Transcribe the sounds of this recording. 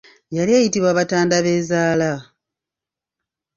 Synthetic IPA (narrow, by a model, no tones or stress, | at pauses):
jaljejitiβwaːβataːndaβe̞ːzaːla